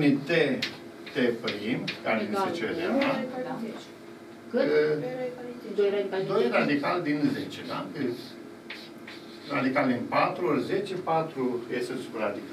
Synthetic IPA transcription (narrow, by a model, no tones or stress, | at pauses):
nʲit̪e | t̪epɾimkalinset͡ʃedaa | k | d̪ojd̪o̞jrad̪ikald̪inzet͡ʃed̪a̰ | ɾa̰d̪ikald̪inpat̪ɾuolze̞t͡ʃepat̪ɾujesesubɾad̪ika